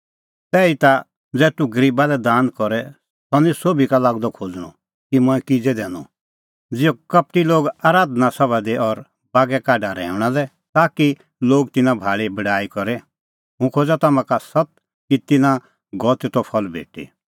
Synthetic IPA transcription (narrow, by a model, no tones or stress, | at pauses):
t̪ɛːit̪a | d͡zɛːt̪uɡəɾiːbalɛd̪aːnkɔɾɛ | sɔnĩsoːbʱikalaːɡd̪ɔkʰod͡zɽ̃ɔ̰̃ | kimɔ̃ɛ̃kid͡zɛd̪ɛːnɔ | d͡zɪjɔkɐp̚ʈiloːɡaːɾaːd̪nasɐbad̪ɛʔɔɾ | baːɡɛkaːɖaɾɛ̰ːʊɽ̃alɛ | t̪aːki | loːɡt̪ɪnãbʱaːɭibɐɽaːikɔɾɛ | ɦũkʰoːd͡zat̪amãkasɐt̪̚ | kit̪ɪnã | ɡɔːt̪ɛt̪ɔpʰɔlbʱḛːʈḭ